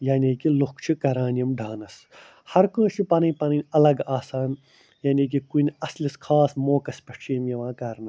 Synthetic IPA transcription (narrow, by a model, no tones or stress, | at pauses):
jaːnʲiːkilukt͡ʃʰikɐɾaːnjɐmɖʱaːnɐs | hɐɾkə̃ːʃʰipɐninʲpɐninʲɐlɐɡaːsaːn | jaːniːk̬ikunʲɐsliskʰaːsmoːkɐspʲɐʂt͡ʃʰimjɐʋãːkɐɾnɐ